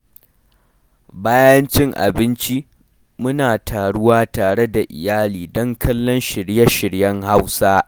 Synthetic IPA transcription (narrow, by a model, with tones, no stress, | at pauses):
baː˦jɐ˦nt͡ʃɪ˦ŋʔa̰˨bɪ˦nt͡ʃi˦ | mʊ˦naː˨tʰaː˨ɽʊ˦waː˦taː˨ɽe˦da˨ʔɪ̰˨jaː˦liː˨dɔ˦ŋkʰɐ˦lːɔ˦nʃɪ˨ɽjɐ˦ʃɪ˨ɽjɐ˦ŋha˦wsaː˦